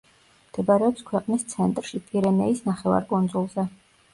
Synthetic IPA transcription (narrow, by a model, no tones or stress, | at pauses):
md̪̥ɛbaɾɛɔpskʰwɛqʼnist̪sʰɛnt̪ʼɾʃipʰʼiɾɛnɛisnaχɛva̰ɾkʼund̪zulˠzɛ